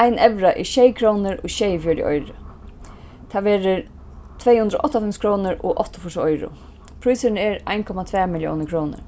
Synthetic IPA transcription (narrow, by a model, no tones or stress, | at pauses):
ajnɛʋɾaʔɪʃejkʰɾoːnəɾoːʃejfjœːdjɪ̰ʔɔ̰jɾə | t̪ʰaːʋeːɾəɾ | t̪ʰveːjhʉnd̪ɾɔ̰ːʔɔht̪afɪmskʰɾoːnəɾoʔɔht̪ɔfʊsɔjɾʊ̰ | pʰɾujsənəɛɾʔa̰jnkʰɔmat̪ʰvɛːmɪljo̰ːnəkʰɾoːnə̰ɾ